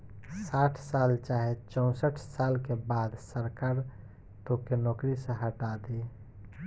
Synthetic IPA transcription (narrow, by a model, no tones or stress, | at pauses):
saːʈʰsaːlt͡ʃaːɦet͡ʃə̃ʊ̃səʈʰsaːlkebaːd̪səɾkaːɾ | t̪okenɔːkɾisẽɦəʈad̪e